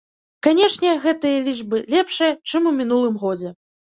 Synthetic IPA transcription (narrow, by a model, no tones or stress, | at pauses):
kanʲɛʂnʲɛɣɛt̪ɨjɐlʲiʐbɨlʲɛpʂɨjɐt͡ʂɨmumʲin̪ulˠɨmɣɔd͡zʲɛ